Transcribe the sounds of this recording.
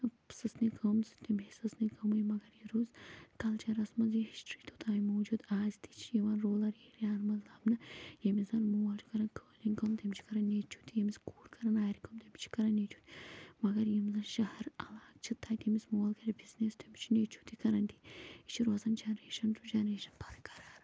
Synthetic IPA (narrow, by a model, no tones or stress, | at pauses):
sɨsnikʰəmzɨt̪imʲisɨsnikʰɐmujimɐɡɐɾjiɾuːzkɐlt͡ʃɐɾɐsmɐzjiɦisʈɾiːt̪ʰot̪ʰaːjimoːd͡ʒud̪aːzit̪i̥t͡ʃʰijiʋɐnɾoːlɐɾiːɾaːnmɐzlɐbnɐjɐmizɐnmualt͡ʃʰu̥kɐɾɐnkʰəːliŋkɐmt̪imʲt͡ʃʰi̥kɐɾɐnːeːt͡ʃʰu̥t̪ijemiskuːlkɐɾɐnaːɾikɐmt̪imʲt͡ʃʰi̥kɐɾɐnːet͡ʃʰu̥t̪ʲmɐɡɐɾjimzɐnʃɐhɐɾɐlaːk̚t͡ʃʰit̪ʰɐːjt̪imismoːlkɐɾʲibizneːst̪imt͡ʃʰinet͡ʃʰu̥t̪ikɐɾɐnt̪i̥it͡ʃʰiɾoːzɐnd͡ʒɐnɐɾeːʃɐnɾud͡ʒɐnɾeːʃɐ̥npʰɐɾkɐɾaːɾ